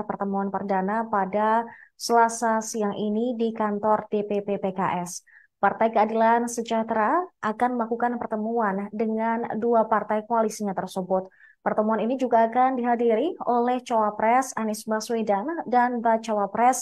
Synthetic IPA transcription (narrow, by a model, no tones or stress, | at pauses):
pərt̪əmuanpərdanapadasəlasasiaŋʔinidikant̪ɔrdepepepekaʔɛs | part̪ajkəadilansəd͡ʒat̪ɾaʔakanməlakukanpərt̪əmuandəŋanduapart̪ajkoalisiɲat̪ərsəbʊt̪̚ | pərt̪əmuaninid͡ʒuɡaːkandiɦadiɾiolɛht͡ʃawapɾɛsanisbaswedandanbat͡ʃawapɾɛs